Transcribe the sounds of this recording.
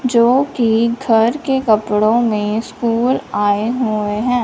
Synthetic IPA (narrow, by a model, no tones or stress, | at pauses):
d͡ʒoːkiɡʱɐɾkekɐpɽõmẽskuːlaːeɦueɦɛ̃ː